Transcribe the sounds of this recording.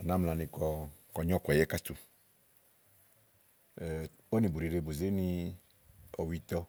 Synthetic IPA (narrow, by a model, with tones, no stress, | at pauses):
a˨nã˦mlã˨nĩ˨kɔ˨kɔ˨ɲɔ̃˦kɔ˨jɛ˦ka˦t̪u˨ | o˦nĩ˨bu˨ɾi˨ɾe˨bo˨ze˦nĩ˧ | ɔ˨wi˧t̪ɔ˦